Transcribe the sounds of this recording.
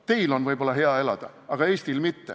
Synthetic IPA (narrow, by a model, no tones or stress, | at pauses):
t̪e̞jlo̞nvɯjb̥o̞lːɑɦe̞ɑe̞lɑ̰d̪̥ɑ̰ɑɡ̥ɑe̞ːsʲt̪ilmit̪ːḛ